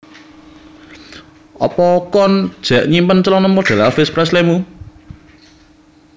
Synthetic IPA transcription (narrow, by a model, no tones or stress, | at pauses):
ʔɔ̰pɔkɔnd̥ʒ̥ɛ̤ʔɲimpənt͡ʃlɔnɔmɔɖ̥a̤lafɪspɾɛs̬lɛmu